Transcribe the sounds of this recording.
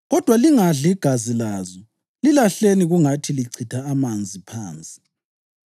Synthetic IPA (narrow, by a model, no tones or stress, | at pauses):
ɣɔd̥ʱwaliŋaɮiɡ̥ʱazilazɔ | lilaɬeniɣuŋatʰiliǀʰitʰaːmand͡zʱipʰaːnt͡sʼi̥